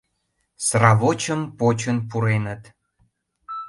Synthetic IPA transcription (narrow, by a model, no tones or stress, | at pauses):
srɑβot͡ɕəmpot͡ɕənpuɾenət̪